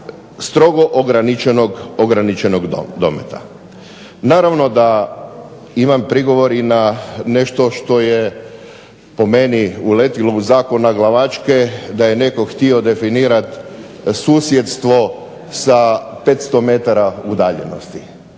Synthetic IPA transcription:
st̪ɾo̞ɡo̞ʔoɡɾanit͡ʃenoɡoɡɾanit͡ʃenoɡd̪o̞̰mḛt̪a̰ | naːɾaʋno̞d̪a | imampɾiɡo̞ʋo̞ɾinane̞ʃt̪o̞ʃt̪o̞je | po̞meniule̞t̪ilouzaːko̞naɡlaʋat͡ʃke̞d̪aje̞ne̞ko̞xt̪io̞d̪e̞finiːɾat̪ | suːsjet̪st̪ʋo̞ | sape̞t̪st̪ome̞t̪aɾaud̪aːʎḛno̞̰st̪i

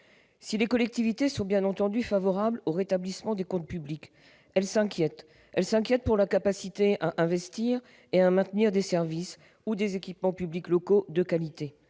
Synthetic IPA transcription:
silekɔlɛk̚t̪ivit̪esɔ̃bjɛ̃nɑ̃t̪ɑ̃d̪yfavɔʁabloʁet̪ablismɑ̃d̪ekɔ̃t̪̚pyblik | ɛlsɛ̃kʲjɛt̪ | ɛlsɛ̃kʲjɛt̪̚puʁlakapasit̪eʔaʔɛ̃vɛst̪iʁ | eamɛ̃t̪niʁd̪esɛʁvis | ud̪ezekʲipmɑ̃pybliklɔkod̪əkalit̪e

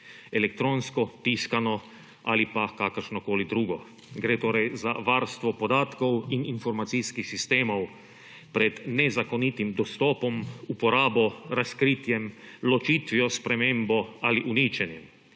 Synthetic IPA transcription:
elɛk̚t̪ɾoːnskɔt̪iːskanɔ | alipakakəɾʃnɔkoːlid̪ɾuːɡɔ | ɡɾeːt̪oːɾɛjzaʋaːɾst̪ʋɔpɔd̪aːt̪kɔwininfɔɾmat̪siskixsist̪eːmɔw | pɾɛd̪nɛzakɔnit̪imd̪ɔst̪ɔːpɔmupɔɾaːbɔɾaskɾiːt̪jɛmlɔt͡ʃiːt̪ʋiɔspɾɛmeːmbɔaliʔuniːt͡ʃɛnjɛm

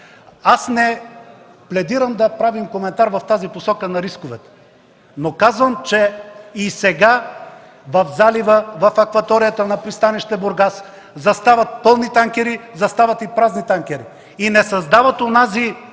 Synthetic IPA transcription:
asnɛ | plɛd̪iɾəmd̪ɐpɾavimkomɛnt̪aɾvɐft̪aziposɔkənɐɾiskovɛt̪ɛ̥ | nokazvəmt͡ʃɛisɛɡa | vɐfzalivəvɐfɐkvɐt̪ɔɾijət̪ənɐpɾist̪aniʃt̪ɛboɾɡas | zɐst̪avɐt̪̚pɤlˠnit̪aŋkʲɛɾizɐst̪avɐt̪ipɾaznit̪aŋkʲɛɾi | inɛsɐzd̪avət̪onazi

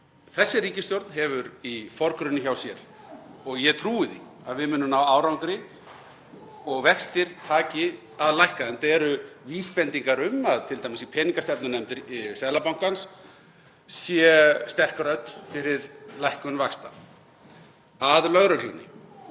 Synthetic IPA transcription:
θɛsːɪɾiːcɪst̪jowɾt̪nɦɛvʏɾifɔɾkɾʏnːɪçawsjɛɾ̥ | ɔɣjɛt̪ʰɾuːɪðḭ | aðvɪðmʏːnʏmnawaːwɾawŋkɾɪ | ɔɣvɛxst̪ɪɾ̥t̪ʰaːcɪ | aðlajhkaɛnt̪ɛɾʏviːspɛnt̪iŋkaɾʏmaðt̪ʰɪlt̪ajmɪsipʰɛːniŋkast̪ɛp̚nʏnɛmt̪ɪɾsɛðlapawŋ̥kans | jɛst̪ɛr̥kɾœt̪fɪɾɪɾlajhkʏnvakst̪a | aðlœɣɾœl̥uwnɪ̰

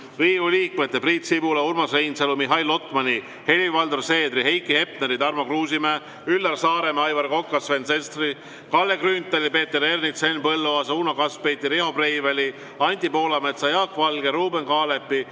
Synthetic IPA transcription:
riːvuliːkmet̪ːˑepriːt̪sibuleurmɑsrejnselumiɦɑjlːo̞t̪ːˑmɑnʲi | he̞livɑld̪orse̞ːd̪riɦe̞jkːihe̞p̚neɾid̪ɑrmokruːs̬imæː | ylːɑrsɑːɾemɑjvɑɾko̞kːɑsvensest̪ri | kɑlːekrynt̪ːˑelipe̞ːt̪ːeɾernit̪senpɤlːoɑsuːnokɑspejt̪ːˑiɾeho̞prejvelʲi | ɑnʲt̪ʲipo̞ːlɑmet̪sɑjɑːkvɑlɡ̥eɾuːbenkɑːlepːi

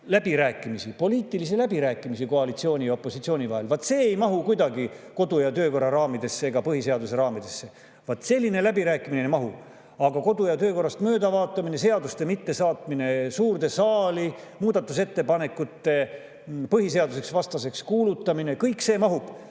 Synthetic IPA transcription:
læb̥iɾæːkːˑimisipo̞liːt̪ːˑilis̬ilæbiɾæːkːˑimis̬iko̞ɑlit̪sio̞ːnʲijɑo̞pːˑo̞sit̪sio̞ːnʲivɑɦe̞lvɑt̪ːˑse̞ːejmɑɦukujd̪ɑɡiko̞d̪ujɑt̪ø̞ːko̞rːɑɾɑːmid̪̥e̞sːeeɡ̥ɑpɤhise̞ɑd̪us̬e̞ɾɑːmid̪̥e̞sːe̞ | vɑt̪ˑse̞lʲːine̞læbiɾæːkːˑiminejmɑɦu | ɑɡɑko̞d̪̥ujɑt̪ø̞ːko̞rːɑst̪mø̞ːd̪ɑvɑːt̪ˑːɑmine̞se̞ɑd̪ust̪e̞mit̪ːe̞sɑːt̪mine̞suːrt̪e̞sɑːli | muːd̪̥ɑt̪ˑːuse̞t̪ːe̞pɑne̞kːut̪ːe̞ | pɤɦise̞ɑd̪use̞ksvɑst̪ɑse̞kskuːlut̪ːɑminekɤjkse̞ːmɑɦub̥

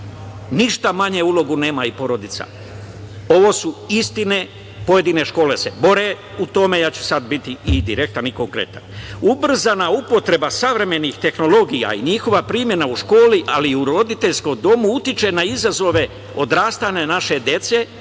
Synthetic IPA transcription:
niʃt̪amaɲe̞ulo̞ɡune̞ːmaipo̞ɾo̞d̪it̪sa̰ | o̞ʋo̞ːsuist̪ine | po̞je̞d̪ine̞ʃko̞ːle̞se̞bo̞ɾe̞ | ut̪o̞me̞jaːt͡ɕu̥sad̪bit̪iːd̪iɾe̞k̚t̪aniko̞ŋkɾe̞̰t̪a̰nubr̩zanaupo̞t̪ɾe̞basaʋɾe̞me̞nixt̪e̞xno̞lo̞ɡija̰ḭɲixo̞ʋapɾiːmje̞nauʃko̞ːliʔa̰liuɾo̞d̪it̪e̞ʎsko̞md̪o̞muut̪it͡ʃe̞naizazo̞ʋe̞ | o̞d̪ɾaːst̪anenaʃe̞d̪je̞t̪se̞

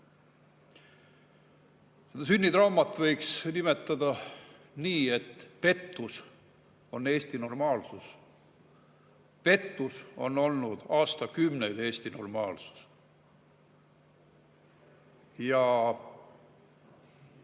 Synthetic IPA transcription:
sed̪ɑs̬ynʲːit̪rɑumɑt̪ːˑvɤjksnime̞t̪ːˑɑd̪ɑniːe̞t̪ːpe̞t̪ːus | o̞nːe̞ːst̪ino̞rmɑːlsus | pe̞t̪ːuso̞no̞lnud̪̥ɑːst̪ɑkymne̞jd̪e̞ːsʲt̪ino̞rmɑːlsu̥s | jɑ

